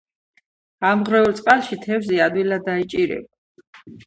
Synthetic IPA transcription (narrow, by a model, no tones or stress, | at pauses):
amʁɾɛult̪sʼqʼalˠʃit̪ʰɛvzɛad̪wilad̪ait͡ʃʼiɾɛ̰ba